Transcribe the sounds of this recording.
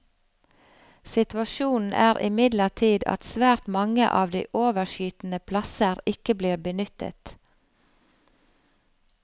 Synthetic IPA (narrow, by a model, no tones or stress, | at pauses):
sɪt̪ʋɑʃuːnn̩ʔæːʁʔɪ̰mɪd̪ləʈʰiːd̪ɑ̰t̪sʋæːɾt̪mɑŋə̰ʔɑːʋd̪ḭːʔoːʋəʃyːt̪n̩əpʰlɑsəɾɪkəbliːʁbənʏt̪ə̰t̪